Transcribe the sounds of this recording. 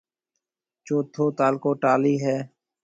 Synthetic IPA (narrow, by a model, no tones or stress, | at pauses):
t͡ʃoːt̪ʰːoːt̪aːlkoːʈaːliːɦɛː